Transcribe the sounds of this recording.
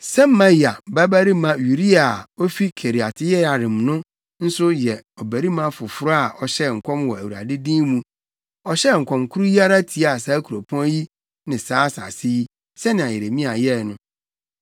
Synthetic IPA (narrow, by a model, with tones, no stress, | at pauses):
sɛ˦m̩˦mã˦ji˨a˨ba˦bæ˦ɾi˦mã˦ju˨ɾi˦a˨ɔ˦fi˦kʰe˨ɾi˨a˨tʰɪ˦jɛ˦a˨ɾɪ̃˨mnʊ̃˦ | n̩˦sʊ˦jɛ˨ɔ˨bæ˨ɾi˦mã˦fʊ˨fʊ˦ɾa˨ʔɔ˨ɕɛ˦˨ŋ̩˨kʷʰɔ̃˦mwɔ˨æ˨wu˨ɾa̰˨dɪ˦dĩː˦mũ˦ | ɔ˨ɕɛ˦˨ŋ̩˨kʰʷɔ̃˨mkʰʊ˦ɾu˦ji˦a˦ɾa˦tʰi˨a˨sa˦kʰu˨ɾo˨pʰɔ̃˦ji˦ | nɪ̃˨saː˦sa̰˨sɪ˦ji˦ | sɛ˦nɪ̃˨a˨je˨ɾe˨mĩ˦a˨jɛ˦˨nʊ̃˦